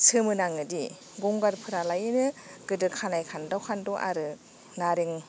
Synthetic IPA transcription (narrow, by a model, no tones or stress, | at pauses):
sɯmɯnaŋɯdi | ɡɔŋɡaɾpʰɯɾalajɯnɯɡɯdɯkʰanajkʰandawkʰandɔʔa̰ɾɯ | naɾiŋ